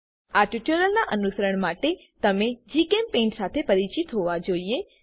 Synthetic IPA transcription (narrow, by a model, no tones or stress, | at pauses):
aʈuʈuɾəlnaʔənusəɾəɳ̃maʈet̪əmed͡ʒikempẽːɳʈsat̪ʰepəɾit͡ʃit̪ɦoʋad͡ʒoie